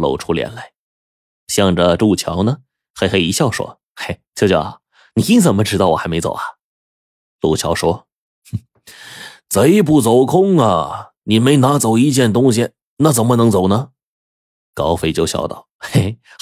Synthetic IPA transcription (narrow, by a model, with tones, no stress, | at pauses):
lo̰˨˩ʊʈ͡ʂʰu˥ljɛ̰˧˥nla˧˥ɪ | ɕjɑ˥˩ŋʈ͡ʂə˩ʈ͡ʂu˥˩t͡ɕʰjɑ̰˧˥ʊnə˨ | xa˧˥ɪxe˧˥ɪi˧˥ɕjɑ˥˩ʊʂwɔ̰˥ | e˥˩ɪt͡ɕo˥˧t͡ɕj | ni˨˩i˥ŋt͡sə˨˩nmə˦ʈ͡ʂɻ̩˥t̪ɑ˥˩wɔ̰˨˩xa˥me˧˥ɪt͡so̰˨˩ʊɐ˦ | lu˥˩ʊt͡ɕʰjɑ˧˥ʊʂwɔ˥ | t͡sa˧˥ɪp̬u˥˩t͡so˨˩ʊkʰʊ˥ŋɐ˨˩ | ni˨˩me˧˥ɪna˧˥t͡so˨˩ʊi˧˥t͡ɕjɛ˥˩nt̪ʊ˥ŋɕi˨ | na˥˩t͡sə˨˩nmə˧nɤ˧˥ŋt͡so˨˩ʊnə˧ | kɑ˥ʊfe˥ɪt͡ɕjo˥˧ʊɕjɑ̰˥˧ʊt̪ɑ̰˥˩ʊe˥ɪ